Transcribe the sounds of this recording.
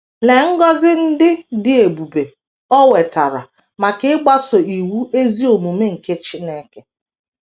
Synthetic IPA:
le˨ŋ̩˦ɡɔ˦zɪ˦n̩˦dɪ˦dɪ˨e˨bu˨be˨ | ɔ˦we˨ta˨ɾa̰˨ | ma˨kɪ˦ɪ˦ɡ͡ba˦so˨i˨wu˦e˦zi˦o˨mu˨me˦ŋ̩˨ke˦t͡ʃi˦ne˦ke˦

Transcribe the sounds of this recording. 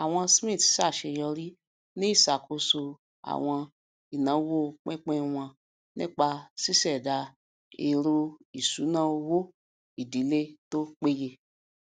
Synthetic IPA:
a˨w̃ɔ̃˧smĩ˦˨tsa˦˨ʃe˧jɔ˧ɾi˦ | nĩ˦i˦˨sa˨kʰo˧so˧ | a̰˨w̃ɔ̃˧ | i˨nã˨˦wo˦˧˨k͡pɛ̃˦k͡pɛ̃˦w̃ɔ̃˧ | nĩ˦k͡pa˧si˦sɛ˦˨da˧ | e˧ɾo˧i˨su˨˦nãː˦o˧wo˦ | i˦˨di˨˦le˦to˦k͡pe˦je˧

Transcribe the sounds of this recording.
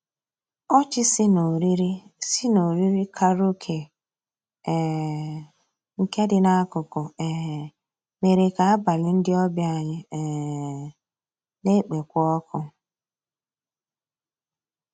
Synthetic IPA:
ɔ˦t͡ʃɪ˦sno˨ɾɾsɪ˦no˨ɾi˦ɾi˦kʰa˦ɾo˦kʰe˨ | ŋ̩˨ke˦dɪ˦na˦kʊ˨kʊ˨e˨ɦ | me˨ɾe˨ka˨a˦ba˨lɪ˨n̩˦dɪ˦ɔ˦bja˦˨ɲɪ˦˨ | ne˦k͡pe˨kʷɔ˦kʰʊ˦

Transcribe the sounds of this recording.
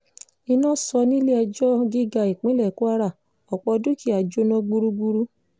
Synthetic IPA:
i˧nɔ̃˦˨sɔ˧nĩ˦le˦a˧d͡ʒɔ˦ɡi˦ɡa˧i˨k͡pĩ˨˦lɛ˦˨ku˦a˧ɾa˦˨ | ɔ˨k͡pɔ˧du˦ki˦˨a˨d͡ʒo˦nɔ̃˦ɡ͡bu˧ɾu˦ɡ͡bu˧ɾu˦

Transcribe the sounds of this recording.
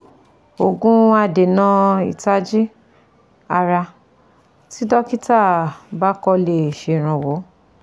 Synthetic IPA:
o˨ɡũ˦a˧de˨nã˦i˨ta˦d͡ʒi˦ | a˧ɾa˧ | ti˦dɔ˦ki˦ta˦˨ba˦kɔ˧le˨ʃe˨˧˨ɾ̃ã˨wo˨˦

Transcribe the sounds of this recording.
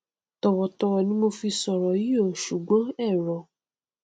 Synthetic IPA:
tɔ˨wɔ˨tɔ˧wɔ˧nĩ˦mo˧fi˧sɔ˨ɾɔ˨ji˦o˦˨ʃu˨ɡ͡bɔ̃˨˦ɛ˦˨ɾɔ˨

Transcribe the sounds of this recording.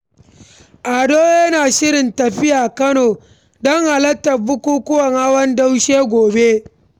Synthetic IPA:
ʔa˨doː˦jɐ˦naː˨ʃɪ˦ɾɪ˨ntɐ˨ɸɪ˦jaː˨kɐ˦noː˨ | dɔ˦ŋʔa˨lɐ˦tːɐ˨bʊ˦kʷuː˦kʷʊ˦wɐ˨ŋha˦wɐ˦nda˦wʃeː˦ɡʷoː˨be˦

